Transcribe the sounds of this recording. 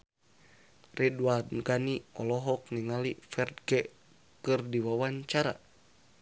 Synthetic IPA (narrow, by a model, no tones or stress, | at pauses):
rɛdwad̪ɡaniɔlɔɦɔk̚niŋalifɛrd̪̚ɡɛ | kɨrdiwawaɲt͡ʃaɾa̰